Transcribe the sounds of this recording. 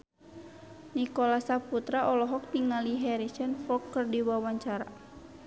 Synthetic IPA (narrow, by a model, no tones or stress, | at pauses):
nikɔlasaput̪ɾaʔɔlɔɦɔk̚t̪iŋaliɦɛɾisɛnfɔkːərdiwawaɲt͡ʃaɾa̰